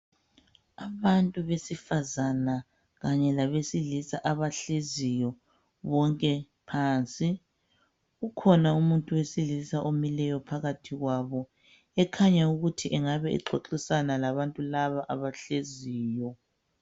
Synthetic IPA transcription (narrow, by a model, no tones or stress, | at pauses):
aβantʼuβesifazana | ɣaɲɛlaβesilisaʔaβaɬezijɔ | βɔŋkʼɛ | pʰaːnt͡sʼi | ɣukʰɔnaumuntʼuwesilisaʔomilɛjɔpʰaɣatʰiɣwaβɔ | ɛkʰaɲauɣutʰiʔɛŋaβɛḭǃʰoǁisanalaβantʼulaβaʔaβaɬeziːjɔ